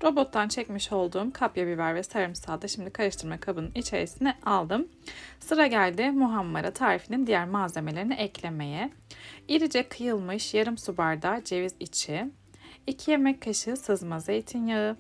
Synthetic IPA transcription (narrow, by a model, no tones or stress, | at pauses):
ɾo̞bo̞t̪ʰːant͡ʃʰɛcmiʃo̞lˠd̪uːmkʰapjabivæɾvɛsaɾɯmsaːd̪aʃimd̪ikʰaɾɯʃt̪ʰɯɾmakʰabɯnɯnit͡ʃʰe̞̰ɾisinɛalˠd̪ɯm | sɯɾaɟælʲd̪ɪmuɦamːaɾat̪ʰaːɾifinind̪ijæɾmaːze̞melʲe̞ɾiniʔɛclʲeme̞jɛiɾʲid͡ʒɛkʰɯjɯlˠmɯʃjaɾɯmsubaɾd̪ad͡ʒe̞vizit͡ʃʰi | icʰije̞mɛcʰːaʃɯsɯzmazejit̪ʰinjaɯ